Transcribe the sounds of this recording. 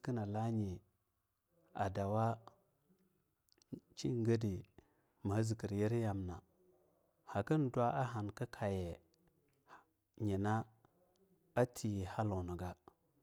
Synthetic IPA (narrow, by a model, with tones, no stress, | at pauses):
ki˦na˨la˦ɲi˨ | a̰˨da˨wa˦ | t͡ʃi˦ŋ˦ɡə˦di˨ | ma˨˦zi˨ki˨ɾje˦ɾja˨mna˨ | ha˨ki˦n˨dwa˦ʔa˦ɦa˨nka˦kʰa˨je˨ | ɲe˨na˦ | a˦tʰi˨ji˨ha˦lo˨na˨ɡa˦